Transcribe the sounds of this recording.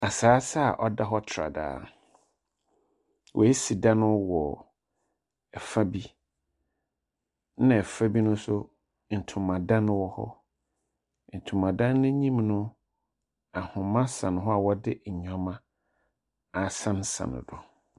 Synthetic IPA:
a˨saː˨˦sa˦˨ʔɔ˦da˦ɦɔ˦tʰɾa̰˨da̰ː˨˦ | wʔɔ̰˨ɛ˦si˨dã˦nʊ̃˦wɔ˨ | ɛ˨fa˦bi˦ | nã˨ɛ˨fa˦bi˦nʊ̃˦sʊ˦ | n̩˨tʰʊ̃˨mːã˨dã˦nʊ̃˦wɔ˦hɔ̰˦ | n̩˨tʰʊ̃˨mã˨dã˦nːʊ̃˦ɲĩ˦mnʊ̃˦ | a˨hʊ̃˨mã˦sã˨ñ˨ɦɔ˦a˨wɔ˦dɪ˦˨ɲᶣã˨mã˦ | a˨sã˦nsã̰˨nʊ̰̃˨dʊ˨

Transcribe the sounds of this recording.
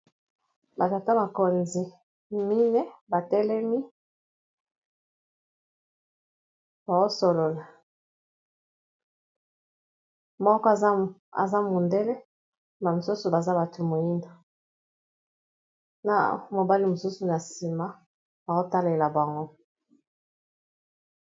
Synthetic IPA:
ba˨ta˨ta˦ma˨ko˨nzi˨ | mi˦ne˦ba˨tɛ˦lɛ˦mi˦ | ba˨zo˦so˨lo˨la˨ | mɔ˦kɔ˦˨˦a̰˨za˦mo˨nde˦le˦ | ba˨mo˨su˦su˨ba˨za˦ba˨tʰo˨mo˨ji˦ndo˨ | na̰˨mo˨ba˦li˨mo˨su˦su˨na˨si˨ma˦ | b̥a˨ko˦ta˦le˨la˨ba˨ŋɡo˦

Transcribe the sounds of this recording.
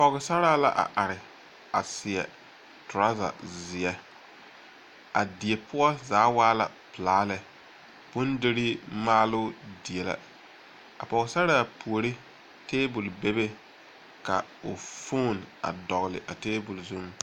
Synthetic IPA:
a˨pɔ˨ɣɪ˨sa˦ɾaː˦la̰˦ʔa̰˨ʔa˨ɾɪ˨ | a˨sɪ˨ɛ̰˨ | tʊ˨ɾa˦za̰˨zɪ˨ɛ˦ | a˨dɪ˨e˨pʰʊ˦a˦zaː˨˦waː˦la̰˨ | pɨ˨laː˨˦lɛ˨ | bʊ˦ndɪ˦ɾɪ˦maː˦lʊ˦dɪ˨e˨la̰˦ | a̰˨pɔ˨ɣɪ˨sa˦ɾaː˦˨pʰu˨o˨ɾi˦ | teː˦bʊ˨lbe˦be˦ | ka̰˨ʊ˨foː˦˨na̰˨dɔ˨ɣlɪ̰˨ʔa˨teː˦bʊ˨lzu˦m

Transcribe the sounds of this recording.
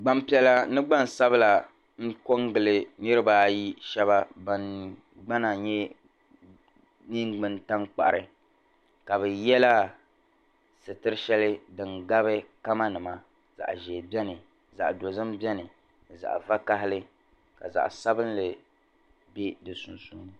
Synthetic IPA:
ɡ͡ba˨mpi˨ɛ˨la˨nɨ˦ɡ͡ba˦n˨sa˦βɨ˦la˨ | ŋ̩˦ko˦ŋɡɨ˨lɨ˨nɨ˦ɾɨ˦baː˦ji˦ʃɛ˦βa˦ba˨n | ɡ͡ba˦na˨ɲɛ˦ | ni˦ŋɡ͡bɨ˨nta˦ŋk͡pa̰˨ʔɾʔɨ˨ | ka˨bɛ˨jɛ˦la˦ | sɨ˨tɨ˦ɾɨ˦ʃɛ˦lɨ˦dɨ˨ŋɡa˦bɨ˦ka˦ma˦nɨ˨ma˦ | z̥a̰˨ʔʒɛ˨bɛ˦nɨ˨ | za̰˨ʔdo˨zɨ˦mbɛ˦nɨ˨ | za̰˨ʔva˦ka˦ɦɪ˦lɨ˦ | ka̰˨za̰˨ʔsa˦bɨ˦n˦lɨ˨ | be˦dɨ˨su˨nsuː˦nɨ˨

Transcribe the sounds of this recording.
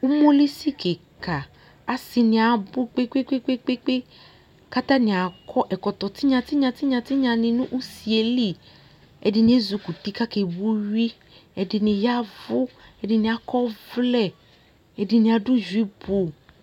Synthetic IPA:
u˦mo˦li˦si˦ke˨ka˨ | a˨si˧nɪ̃˧a˨bʊ˦k͡pe˦k͡pe˦k͡pe˦k͡pe˦k͡pe˦k͡pe˦ | ka˦t̪a˦nɪ̃˨a˨kʰɔ˦ʔɛ˨kɔ˨t̪ɔ˨t̪i˦ɲã˧t̪i˦ɲã˧t̪i˦ɲã˧t̪i˦ɲã˧nɪ̃˨nũ˦ʔu˦si˨e˨li˦ | ɛ̰˨dɪ˨nĩ˨˦e˦zu˧ku˨ti˦ka˦ke˨wu˦ɥi˦ | ɛ˨dɪ˨nɪ̃˨ja˦vʊ˦ɛ˨dɪ˨nɪ̃˨a˨kɔ˦vlɛ˦˨ | ɛ˨dɪ˨nĩ˧a˨du˦d͡ʒi˦bo˨

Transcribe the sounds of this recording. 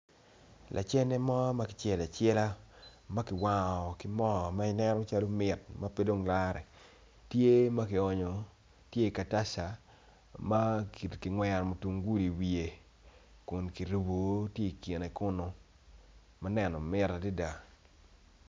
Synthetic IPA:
lʔa̰˨t͡ʃɛ˦nɛ˦mɔ˦ma˦kɪ̥˨t͡ʃɛ˦˨la˨t͡ʃɛ˦la˦ma˦kɪ˨wa˨ŋɔ˨kɪ˦mɔ˦˨ma˦ɪ˦nɛ˦nɔ˦t͡ʃa˦lo˦mɪ˨tma˦pe˦do˦ŋla˦ɾɛ˨ | tje˦ma˦kɪ˨ɔ˨ɲɔ˨ | tje˦i˨ka˨ta˦sa˨ | ma˦kkɪ˨ŋwɛ˨ɾmo˨tu˨ŋɡu˦li˨wi˨e˨ | kʊ˨nki˨ɾu˨bo˨˦tje˦i˨ki˨ne˨kʊ˦no˨ | ma˦nɛ˨nɔ˨mɪ˦ɾa˨di˦da˨

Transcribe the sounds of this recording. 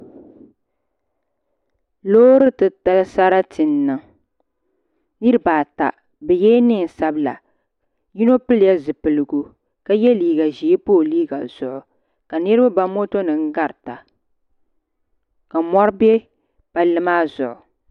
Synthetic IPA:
loː˦ɾɨ˦tɨ˨ta˦lsa˦ɾa˦tʰɨ˨nːɨ˨ | nɨ˦ɾɨ˦baː˨ta̰˨ | bɛ˨jɛː˦nɨ˦ŋ˨sa˦bla̰˨ | ji˦no˦pɨ˦lja˦zɨ˨pɨ˨lɨ˨ɡu˨ | ka˦jɛ˦liː˦ɡa˨ʒi˨˦poː˦˨liː˦ɡa̰˨z̥ʊ˨ʔʊ˨ | ka˨nɨ˦ɾɨ˦ba˦ba˦mo˦to˦nɨ˨ŋ̩˦ɡa˦ɾta˨ | ka˨mɔ˦ɾbɛ˦ | b̥a˨lɨ˦maː˦zʊ̰˨ʔʊ˨

